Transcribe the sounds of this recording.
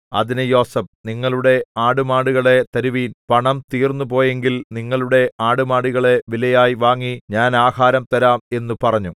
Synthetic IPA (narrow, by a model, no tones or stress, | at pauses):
ɐ̰ðinɨjo̞ːsɐp̚niŋːɐɭuɽe̞aːɽumaːɽuɣɐɭe̞t̪ɐɾuʋiːnpɐɳɐmt̪iːrnːupo̞ːje̞ŋɡilniŋːɐɭuɽe̞aːɽumaːɽuɣɐɭe̞ʋilɐjaːjiʋaːŋːiɲaːnaːhaːɾɐmt̪ɐɾaːme̞nːupɐrɐɲːu